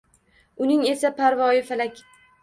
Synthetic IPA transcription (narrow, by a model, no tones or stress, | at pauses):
ʊnɪŋe̞sapʰaɾvɒjɪfalakʲʰ